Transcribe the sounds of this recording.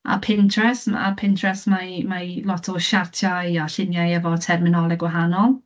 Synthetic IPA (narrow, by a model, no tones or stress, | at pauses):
a̰pʰɪntʰrɛsma̰pʰɪntʰrɛsmamalˠɔtʰɔʃartʰjajaɬɪnjajɛvɔtʰɛrmɪnɔlˠɛɡwaɦanɔlˠ